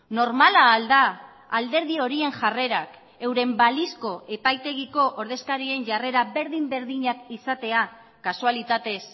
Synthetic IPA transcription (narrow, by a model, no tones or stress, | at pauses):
no̞ɾmalaːld̪aː | ld̪e̞ɾðio̞ɾie̞ŋʝare̞ɾak | e̞wɾe̞mbalisko̞ʔe̞pajt̪e̞ɣiko̞ʔoɾðe̞skaɾie̞nʝare̞ɾabe̞ɾðimbe̞ɾðiɲakisat̪e̞a | kasualit̪at̪e̞s